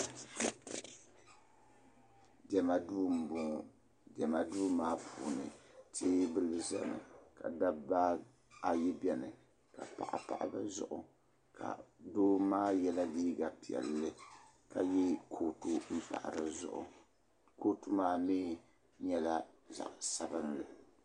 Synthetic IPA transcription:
dɛ˨ma˨duː˦m̩˨bʊ˨ | dɛ˨ma˨duː˦maː˦pʰu˨nɨ̰˨tʰeː˦bɨ˦lɨ˨za̰˦mɨ̰˨ka˨da˦ba˦ | a˨jɛ˦bɛ˨nɨ˨ | ka˨pa̰˨ʔa̰˨pa̰˨ʔa˦ba˦zʊ̰˦˨ʔʊ˨ | kʰa̰˨doː˦maː˦jɛ˦la˦diː˦ɡa˨pi˨ɛ̰˨lːɨ˦ | ka˨jɛ˦kʰo˦tu˦m̩˦pa̰˨ʔɾɨ˨zʊ̰˨ʔʊ̰˨ | ko˦tu˦maː˦miː˦ | ɲɛ˨la˦ | za̰˨ʔsa˨bɨ˦nlɨ˨

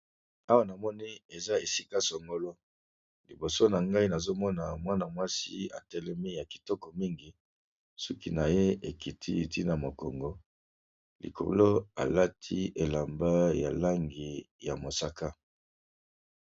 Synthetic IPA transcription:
a˦wa˦na˨mɔ˦ni˦e˨za˦e˨si˦ka˦sɔ˨ŋɡo˨lo˦ | li˨bo˨so˦na˨ŋɡa˦i˦na˨zo˦mɔ˦na˨mwa˦na˨mwa˦si˦a̰˨tɛ˦lɛ˦mi˦ja˨ki̥˨tɔ˦kɔ˨mi˦ŋɡi˨ | sɔ˦ki˦na˨je˦e˨ki˨tʰḭ˦˨ti˦na˨mo˨kɔ˨ŋɡɔ˨ | lḭ˨kʰo̰˨lo˦a̰˨la˦tʰi˦e˨la˨mba˦ja̰˨la˦ŋɡi˨ja˨mo˨sa˦ka˦

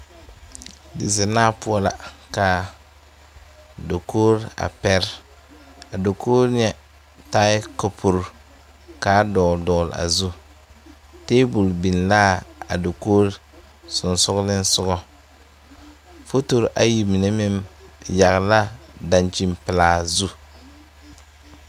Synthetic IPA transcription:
dɪ˨zɪ˨naː˦pʊ˦ɔ˦la̰˨ka˨ | do˨koː˦ɾa̰˨pɛ˦ɾ | a˨do˨koː˦ɾɲ˦ɛ˨ | taː˦ɪ˦ko˨pʰu˨ɾ | kaː˦dɔː˨dɔː˨la̰˨zu˦ | teː˦bu˨lbi˨nlaː˦a̰˨do˨koː˦ɾ | sʊ˨nsʊ˦ɣlɪ˦n˦sʊ˦ɡɔ˦ | fo˦to˦ɾʔa˨ji˨mi˨ne˦mɪ˦mja˨ɣla˦da˨nt͡ʃi˨mpɪ˨laː˨zu˦

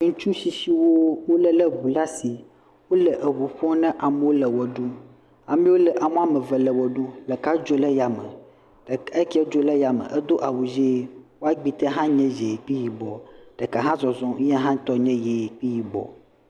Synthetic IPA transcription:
ŋũ˦t͡ʃũ˦si˨si˦wo˦wo˦lɛ˦lɛ˦ɡu˨la˦si˨ | wo˦lɛ˨ʔə˨wu˨ɸɔ̃˦nɛ̃˦ʔa˨mɛ˦wo˦lɛ˨wɔ˨ɖu˦ | a˨mĩ˦wo˦lɛ˨ʔa˨m˦a˨mɛ˨vɛ˨lɛ˨wɔ˨ɖu˦lɛ˨ka˦d͡ʒo˦lɛ˦ja˨mɛ̰˨ | ɖe˦ki˦ɛ˦d͡ʒo˦lɛ˦ja˨mɛ̰̃˨ʔɛ˦d̪o˦ʔa˨wu˨d͡ʒe˦wo˦a˦ɡ͡bi˦˨t̪ɛ˦ɦã˦ɲɛ̃˦d͡ʒe˨k͡pi˦ji˨bɔ̰˨ɖ̥ɛ˨ka˨ɦã˦zɔ˨zɔ̃˨˦a˦ɦã˦t̪ɔ˦ɲɛ̃˦je˨k͡pi˦ji˨bɔ̰˨

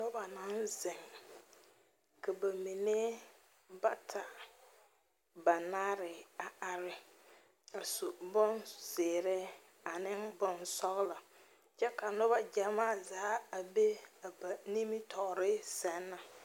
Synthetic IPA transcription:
nʊ˦ba˨nã˦nzɪ˨ŋ | kʰa˨ba˨mi˨ne˦ | ba˦tʰa˨ | ba˨naː˦ɾɪ˨a˨a˨ɾɪ˦ | a˨su˨bʊ˦nz̥eː˨ɾɪ˦ | a˨nɪ˦nbʊ˨nsɔ˦ɣla˨ | t͡ʃɛ˦ka˨nʊ˦ba˦d͡ʒa˨maː˦zaː˨˦a˨be˦a˨ba˨ni˦mi˦tʰɔ˨ɣɾɪ˦sɛ˨˦nːa˨

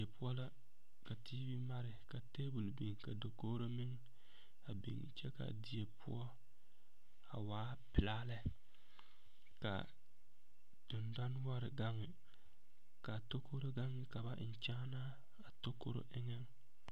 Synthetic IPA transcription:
e˨pʊ˦ɔ˦la˦ | ka˨tiː˦bi˦ma˦ɾɪ˨ka˨te˦bu˨lbi˨ŋ˨ka˨do˨ko˦ɾo˦mɪ˦ŋ | a˨bḭ˨ŋ̰˨t͡ʃɛ˦ka̰˨di˨e˨pʰʊ̰˦ɔ˦ | a̰˨waː˦ | pɪ˨laː˦lɛ˦ | ka̰˨ | d̥ʊ˨nda˦n˦wa˦ɾɪ˨ɡa˦ŋːɪ˨ | ka˨to˦ko˦ɾo˦ɡa˦ŋːɪ˦˨ka˨ba˦ʔn˨t͡ʃa˦na˦ | a˨to˦ko̰˦ɾo̰˦ʔɪ˦ŋɛ˦ŋ

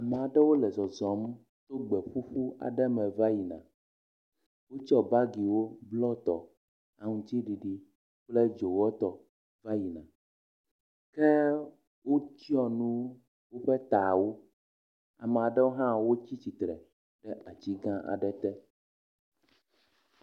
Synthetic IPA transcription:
a˨mɛ̃˨a˨ɖɛ˦wo˦lɛ˨zɔ˨zɔ˨˦m˦ | t̪o˦ɡ͡bɛ˨ɸu˦ɸu˦a̰˨ɖɛ˦mɛ̃˨va˦ji˨nã̰˨ | wo˦t͡ʃɔ˦ba˦ɡi˨wo˦blɔ˦t̪ɔ̰˨ | a˨ŋũ˨t̪i˦ɖi˨ɖi˦ | k͡plɛ˦d͡ʒo˨wɔ˦t̪ɔ˨ | va˦ji˨nã˨ | kɛ˦ | wʔo˦t͡ɕi˦ɔ˦nũ˦ | wo˦ɸɛ˦t̪a˨wo˦ | a̰˨mɛ̃˨a˨ɖɛ˦wo˦ɦã˦wo˦t͡ɕi˦t͡ɕi˨t̪ɾɛ̰˨ | ɖɛ˦ʔa˨t͡ɕi˦ɡã˦ʔa̰˨ɖɛ˦t̪ɛ˦

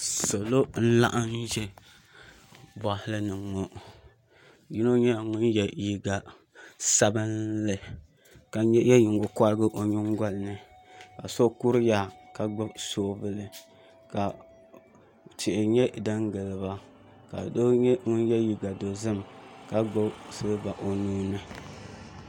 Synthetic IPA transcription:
so˨lo˦n̩˦la̰˦ʔa˦n˦ʒɛ˦ | ba˨hɪ˦lɨ˦nɨ˨ŋo˦ | ji˦no˦ɲɛ˦˨ŋʊ˦njɛ˨ji˦ɡa˨ | sa˦bɨ˦nlɨ˨ | ka˨ɲɛ˦jɛ˦ji˨ŋɡo˨kʷa˦lɡɨ˦ʔo˨ɲu˦ŋ˦ɡa˦lɨ˦nɨ˨ | ka˨so˦ku˦ɾɨ˦ja˦ka˨ɡ͡bɨ˦bsoː˦vɨ˦lɨ˨ | ka˨ | tɪ˨ʔɪ˨ɲɛ˦˨dɨ˦ŋɡɨ˨lɨ˨ba˦ | ka̰˨do˦ɲɛ˦ŋʊ˦njɛ˦ji˦ɡa˨do˨zɨ˦mka˨ɡ͡ba˦sɨ˦ba˨ʔo˨nuː˦nɨ˦

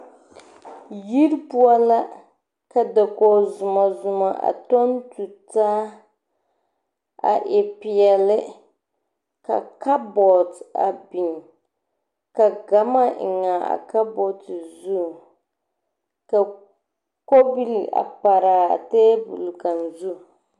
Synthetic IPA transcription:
ji˦ɾpu˦a˦la˦ | ka˨da˨ko˨zʊ˨ma˨zʊ˨ma˨ʔa̰˨to˦ntu˨taː˦ | a̰˨ʔɪ˨pi˨ɛ˨lɪ˦ | ka̰˨ka˦bɔ˨ta̰˨bi˨n | ka˨ɡa˦ma˦˨ŋa˨a̰˨ka˦bɔ˨tɨ˨zu˦˨ | ka˨ | ko˦bi˦lḭ˨ʔa̰˨pa˨ɾaː˨a˨teː˦bṵ˨lɡa˨nzu˦

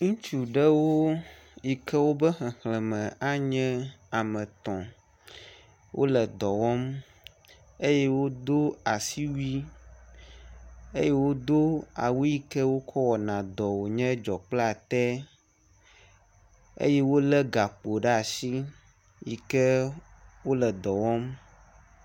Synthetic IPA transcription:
ŋũ˦t͡ʃu˨ɖɛ˦wo˦ | ji˨kɛ˦wo˦bə˦xɛ̃˨xlɛ̃˨mɛ̃˨a˦ɲɛ̃˦a˨mɛ̃˨t̪ɔ̃˨ | wʔo̰˦lɛ˨d̪ɔ˨wɔ˦m | e˦jɛ˦wo˦d̪o˦a˨si˦wi˦ | ḛ˦je˦wo˦d̪o˦a̰˨wu˦ji˦kɛ˦wo˦kʰɔ˦wɔ˨nã˨d̪ɔ˨wo˨ɲɛ̃˦d͡ʒɔ˨k͡pla˨t̪ɛ˦ | ḛ˦je˦wo˦lɛ˦ɡa˨k͡po˨ɖɛ˦a˨si˦ | ji˨kɛ˦wo˦lɛ˨d̪ɔ˨wɔ˦m

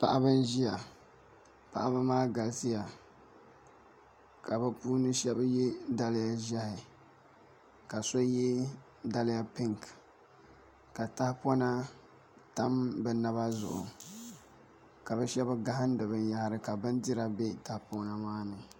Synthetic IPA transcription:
pa̰˦ʔa˦bɨ˦n˦ʒi˦a˨ | pa̰˦˨ʔa˦bɨ˦maː˦ɡa˨lsɪ˦ja˨ | ka˨bɨ˦puː˦nɨ˦ʃɛ˦bjɛ˦da˦lɪ˦ja˦ʒa˦hɪ˨ | ka˨so˦jɛ˦ | da˦lɪ˦ja˦pɪ˦ŋk | ka˨ta˦hɪ˦po˦na˦ | ta˦mbɨ˨na˦βa˦zʊ̰˨ʔʊ̰˨ | ka˨bɨ˦ʃɛ˦ba˦ɡa˦hɨ˦n˦dɨ˨bɨ˨nja˦hɪ˦ɾɨ˨ka˨bɨ˦ndi˦ɾa˦be˦ta˨hpo˦na˦maː˦nɨ˨

